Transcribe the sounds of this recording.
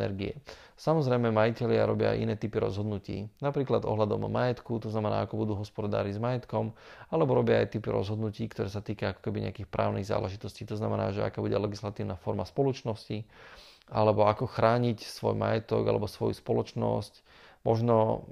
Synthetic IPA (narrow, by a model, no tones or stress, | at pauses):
ɛ̰ɾɡiɛ | samɔzɾɛjmɛmajicɛʎɪa̰ɾɔbɪa̰a̰jʔḭnɛːt̪ipiɾɔ̰zɦɔd̪nucḭːnapɾiːklad̪ɔ̰ɦlad̪ɔ̰mːajɛt̪kut̪ɔznamɛna̰ːakɔbud̪uːɦɔspɔd̪a̰ːɾizmajɛt̪kɔmalɛbɔɾɔbɪaajt̪ipiɾɔ̰zɦɔd̪nuciːkt̪ɔɾɛːsat̪iːkaakɔ̥kɛbiɲɛ̰akiːxpɾa̰ːʊniɣza̰ːlʔɛʒit̪ɔsciːt̪ɔznamɛna̰ːʒɛa̰kaːbuɟɛlɛɡislat̪iːʊnafɔɾmaspɔlɔt͡ʃnɔsci | alɛbɔakɔxɾaːɲicsʋɔjma̰jɛt̪ɔ̰ɡa̰lɛ̰bɔsʋɔjuspɔlɔt͡ʃnɔ̰sc | mɔʒnɔ